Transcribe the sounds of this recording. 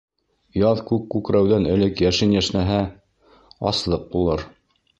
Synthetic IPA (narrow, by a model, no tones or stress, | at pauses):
jɑðkʉkːʉkɾæwðænɘ̆lɘkjæʃɘnjæʃnæɦæ | ɑ̰slˠɤq̚bulˠɤɾ